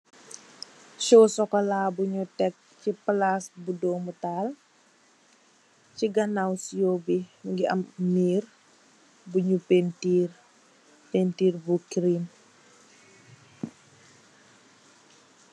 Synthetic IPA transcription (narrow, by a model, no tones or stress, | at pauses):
ʃɔsɔkɔlabuɲutɛk̚ | ciplasbudɔmutal | ciɡanawsjɔbiŋɡiɐ̰mːiːr | buɲupentir | pentiːrbukɾin